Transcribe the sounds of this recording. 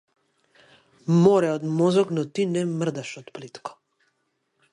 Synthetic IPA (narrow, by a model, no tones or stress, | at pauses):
mɔɾɛɔd̪mɔzɔknɔt̪inɛmər̩d̪aʃɔt̪plit̪kɔ̥